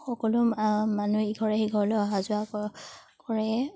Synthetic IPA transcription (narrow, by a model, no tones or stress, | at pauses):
xɔkɔlʊmanuiɡʱɔɹɛxiɡʱɔɹɔlɔɔɦazʊa | kɔɹɛ